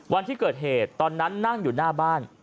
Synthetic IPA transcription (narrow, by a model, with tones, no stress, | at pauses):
wa˧nt̪ʰiː˥˩kɤː˨˩t̪̚ɦeː˨˩t̪ːɔː˧nːa˦˥nːa˥˩ŋjuː˨˩naː˥˩baː˥˩n